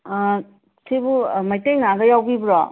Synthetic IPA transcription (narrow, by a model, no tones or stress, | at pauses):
sibumajtejŋaɡɐjawbibɾɔ